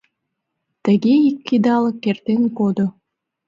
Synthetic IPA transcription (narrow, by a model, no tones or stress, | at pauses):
t̪ə̆ɡeikʲːid̪ɑlɤkːert̪enkod̪o